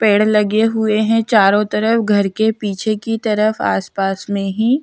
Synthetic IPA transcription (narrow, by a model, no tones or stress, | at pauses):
peːɽlɐɡeɦʊeɦɛ̃t͡ʃaːɾõt̪ɐɾəfɡʱɐɾkepiːt͡ʃʰekit̪ɐɾəfa̰ːspaːsmẽɦi